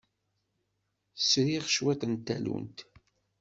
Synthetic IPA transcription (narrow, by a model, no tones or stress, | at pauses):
sɾiʁʃwæt̪ənt̪ːælṵnt̪